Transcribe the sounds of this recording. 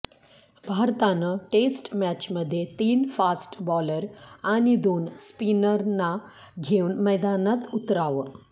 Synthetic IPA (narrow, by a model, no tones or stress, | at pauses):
bʱaɾt̪anəʈesʈmæt͡ɕməd̪ʱːjet̪iːnfasʈbɔləɾañid̪onspinəɾna | ɡʱeunməjd̪anat̪ut̪ɾaʋə